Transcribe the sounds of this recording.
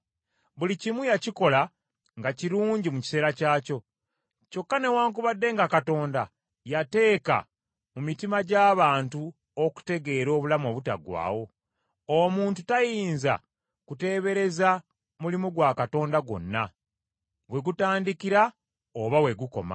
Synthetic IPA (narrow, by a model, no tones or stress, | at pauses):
βulicimujaciko̞la | ŋɡaciɾuːɲɟimuci̥se̞ːɾacaːco̞ | co̞kːane̞waːŋkuβadːe̞ːŋɡakato̞ːnda | jate̞ːka̰ | mumitimaɟaːβaːntu | oku̥te̞ɡe̞ːɾo̞ːβulamo̞ːβuta̰ɡwa̰ːwo̞ | omuːntutajiːnza̰ | kute̞ːβe̞ɾe̞za | mulimuɡwakato̞ːndaɡwo̞̰nːa | we̞ɡutaːndikiɾa | oβawe̞ɡuko̞̰ma̰